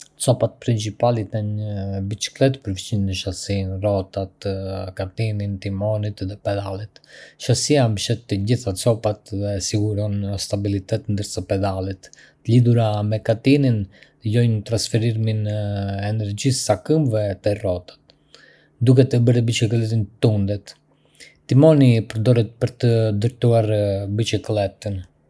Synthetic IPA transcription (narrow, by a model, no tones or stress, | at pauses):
t͡sɔpat̪̚pɾint͡sipalit̪aɲəbit͡ʃi̥klɛt̪pəɾft͡ɕinnəʃasinrɔt̪at̪kat̪inint̪imɔnit̪ðɛpɛd̪alˠit̪ʃasiambəʃɛt̪ːəɟiθat͡sɔpat̪ðɛsiɡuɾɔnəst̪abilit̪ɛt̪nd̪əɾsapɛd̪alˠit̪ | t̪əliðuɾamɛkat̪inin | əɟɔjnət̪ɾansfɛɾiɾminɛnɛɾd͡ʒisːakəmvɛt̪ɛrɔt̪ḁt̪ | d̪ukɛt̪əbəɾɛbit͡ʃiklɛt̪int̪und̪ɛt̪ | t̪imɔnipəɾd̪ɔɾɛt̪̚pəɾt̪əd̪əɾt̪uaɾbit͡ʃiklɛt̪ən